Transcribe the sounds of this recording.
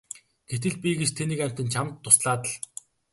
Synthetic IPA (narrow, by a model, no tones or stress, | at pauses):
ɡ̥et̪ɘ̆ɮpʲiɡet͡ɕt̪ʰeniːkæm̥ʲt̪ɘ̆nt͡ɕʰamt̪ʰːʊsɮaːt̪ə̆ɮ